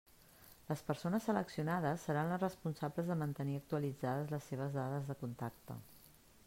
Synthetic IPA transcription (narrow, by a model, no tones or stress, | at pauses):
ləspəɾsonəsːələksiunaðəsːəɾanlərəspunsabləzðəmənt̪əniək̚t̪uəlid͡zaðəzləsːeβ̞əzðaðəzðəkunt̪ak̚t̪ə̰